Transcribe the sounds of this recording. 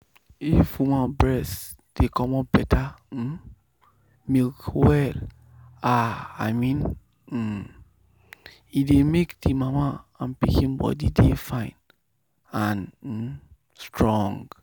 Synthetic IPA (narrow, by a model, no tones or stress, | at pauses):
ifwumãbɹɛsd̥ekʰɔmɔp̚bɛtʰa | milkwɛl | aa̰ɪmĩn̩ | idemekdimamaãnpikĩnbɔ̰didefãɪ̃n | ãn̩ | stɹɔ̃ŋɡ